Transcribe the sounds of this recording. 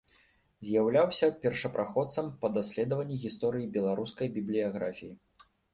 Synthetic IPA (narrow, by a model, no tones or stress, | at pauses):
zʲjawlʲawsʲɐpʲɛrʂɐpɾʔaxɔt̪sɐmpɐd̪asʲlʲɛd̪ɐvɐnʲːiɣʲist̪ɔɾɨjibʲɛlˠaɾuskɐjbʲiblʲijaɣɾafʲiji